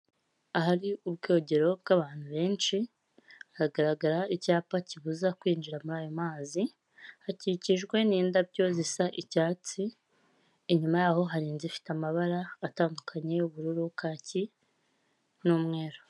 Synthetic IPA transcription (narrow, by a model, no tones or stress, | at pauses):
aɦaɾiubɡo̞ːɟe̞ɾo̞bɡaβaːn̥huβe̞ːnt͡ʃi | aɾaɡaɾaɡaɾaicaːpaciβuzakwiːnd͡ʒiɾamuɾaːjo̞maːzi | haciciʒɡwe̞niːndabɟo̞zisaʔicaːt͡si | eɲumajaːho̞ɦaɾiːnzifi̥tamaβaɾaːtaːndukʰaɲe̞uβuɾuɾukaːci | nuːmŋe̞ːɾo